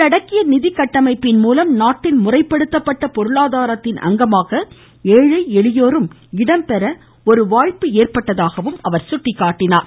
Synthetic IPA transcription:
tɐɽɐkːɪjɐnɪðɪkːɐʈːɐmɐɪpːɪnmuːlɐmnaːʈːɪnmʊrɐɪpːɐɽɯt̪ːɐpːɐʈːɐpɔɾɯɭaːðaːɾɐt̪ːɪnʔɐ̰ŋɡɐmaːɣɐ | eːɻɐɪɛɭɪjoːɾɯm | ɪɽɐmpɛɾɐ | ɔɾɯʋaːɻpɯeːrpɐʈːɐðaːɣɐʋɯmɐʋɐɾsʊʈːɪkːaːʈːɪnaːɾ

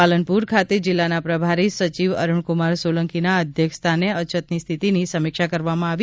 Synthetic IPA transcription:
alənpuɾkʰat̪ed͡ʒɪlːanapɾəbʱaɾisət͡ʃiʋə̰ɾəɳkʊmaɾsoləŋkinaəd̪ʱjəkst̪ʰaneət͡ʃət̪nist̪ʰit̪inisəmɪkʃakəɾʋamãaʋ

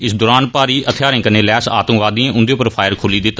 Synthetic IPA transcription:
ɪsd̪oːɾaːnpaːɾiːʔət̪ʰjaːɾɪ̃ːkəneːlɛːsa̰ːt̪ə̃mʋaːd̪ĩãːʔʊnd̪eːʊpəɾpʰaːjəɾkʰoːliːd̪ɪt̪ː

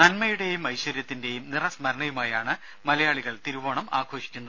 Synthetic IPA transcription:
nɐnmɐjuɽe̞jumɐjɕʋɐɾjɐt̪ːinde̞jumnirɐsmɐɾɐɳɐjumaːjaːɳɨ | mɐlɐjaːɭiɣɐɭt̪iɾuʋoːɳɐma̰ːɡʰʱo̞ːʂi̥kʲːunːɐð

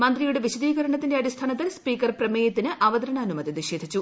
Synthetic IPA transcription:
mɐnd̪rijuɽeʋiɕɐd̪iːɣɐɾɐɳɐt̪ːindeɐɾist̪ʰaːnɐt̪ːilspiːkɐrprɐmeːjɐt̪ːinɨʔɐʋɐd̪ɐɾɐɳɐːnumɐd̪ʱjɐniɕeːd̪ʱit͡ɕːu

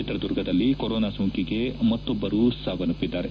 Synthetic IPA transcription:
it̪ɾɐd̪uɾɡʱɐd̪ɐlːikɔɾoːnaːsuŋkiɡe̞mɐt̪ːɔbːɐɾusaːɡɐnupːid̪ːaːɾe

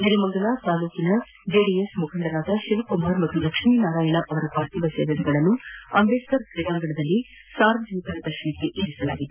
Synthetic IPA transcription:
niɾimɐŋɡɐɭat̪aːluːkinɐ | d͡ʒeːɖiesmukʰɐɳɖɐɾaːd̪ɐʃiʋɐkumaːɾmɐt̪ːud̪ɐkʂmiːnaːɾaːjɐɳɐʔɐʋɐɾɐpaːɾt̪iʋɐseːʋɐdɐɡɐɭɐnːuɐmbeːskɐɾkɾijaːŋɡɐɳɐd̪ɐlːi | saːɾʋɐd͡ʒɐnit̪ɐɾɐd̪ɐʃɐnikːeʔiːɾisɐla̰ːɡid̪e

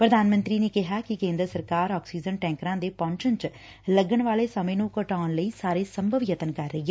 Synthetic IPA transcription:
pɾəd̪aːnmə̃nt̪ɾiːneːkɪɦaːkɪkẽːnd̪ɾəsəɾkaːɾɔːksiːd͡ʒənʈɛ̃ːŋkɾãːd̪eːpɔ̃ːɲt͡ʃənt͡ʃ | ləɡəɳʋaːleːsəmẽːnũːkəʈaːnləiːsaːɾeːsəmbʱəʋjət̪ənkəɾːəiɛ

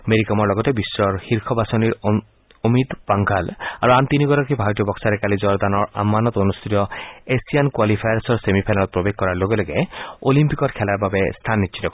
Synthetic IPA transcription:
meɾikɔmɔɾlɔɡɔtebisɾɔɾhiɾkʰɔbasɔniɾ | omid̪paŋɡʱala̰ɾuant̪iniɡɔɾɔkibʱaɾɔt̪ijɔbɔksaɾekalid͡ʒɔɾd̪anɔɾa̰mːanɔt̪onust̪ʰit̪ɔesiankwalipʰajɾsɔɾsemipʰanalɔt̪̚pɾobek̚ʰkɔɾaɾloɡeloɡḛolimpikɔɾkʰɛlaɾbabest̪ʰanːitːt͡ʃʰit̪ɔk

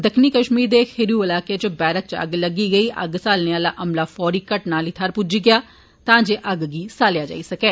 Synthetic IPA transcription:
d̪əkʰniːkəʃmiːɾd̪eːkʰɪɾijuːɪlaːkeːt͡ʃbɛːɾək̚t͡ʃə̰ɡləɡiːɡəiːʔə̰ɡsaːlneaːlaːʔəmlaːfʰɔːɾiːkəʈnaːliːt̪ʰəɾpʊd͡ʒiːɡɪjaː | t̪ãːd͡ʒeːʔəɡɡiːsaːljaːd͡ʒa̰ːiːsəkɛː

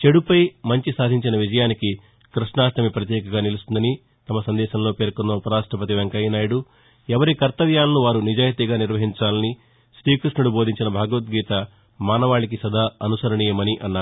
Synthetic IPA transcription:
t͡ʃeɽupɐjmɐɲt͡ʃisaːd̪ʱiɲt͡ʃinɐʋid͡ʒɐjaːniki | kɾiʂɳnaːʂʈɐmipɾɐt̪jɛːkɐɡaːnilust̪und̪ɐni | t̪ɐmɐsɐnd̪ɛːʃɐmlo̞ːpe̞ːɾkunːɐupɐɾaːʂʈɾɐpɐt̪iʋeŋkɐjnaːjɐɽu | ɛʋɐɾikɐɾt̪ɐʋjaːlɐnuʋaːɾunid͡ʒaːjɐt̪iɡaːniɾʋɐɦiɲt͡ʃaːlɐni | ʃɾiːkɾuʂɳɐɽubo̞ːd̪ʱiɲt͡ʃinɐbʱaːɡɐʋɐt̪ɡiːt̪ɐ | maːnɐʋaːɭik̬isɐd̪ʱaːɐnusɐɾɐɳiːjɐmɐniʔɐnːaːɾu

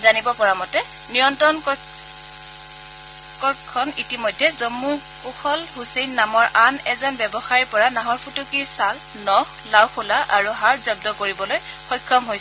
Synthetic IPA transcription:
zanibɔpɔɹamɔtɛ | nijɔntɔn | kɔkʰːɔnitimɔjdʱːɛzɔmːuɹ | kuxʰɔlhusenːamɔɹʔanɛzɔnbɛbɔxaɹiɹpɔɹanaɦɔɹpʰutukiɹsal | nɔx | lawxulaʔaɹuɦaɹzɔb̚dɔkoɹibɔlojxɔjkʰːɔmɦojsɛ

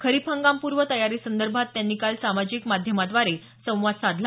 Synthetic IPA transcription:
kʰəɾipʰãŋɡampuɾʋət̪əjaɾiːsənd̪əɾbʱat̪ːjanːiːkalsamad͡ʑiːkmad̪ʱjəmad̪ʋaɾe | sə̃w̃ʋad̪sad̪ʱla

